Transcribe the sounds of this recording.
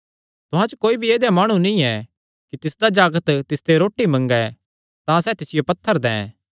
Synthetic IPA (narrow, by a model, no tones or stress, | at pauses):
t̪ʊɦãt͡ʃokoːibʱieːd̪jamaːɽ̃ũnĩɛ | kit̪ɪsd̪ad͡ʒaːɡət̪t̪ɪsd̪eɾoːʈːimɐ̃ŋɡɛ | t̪ãsɛːt̪ɪsɪjopɐt̪ʰːəɾd̪ɛ̰̃ː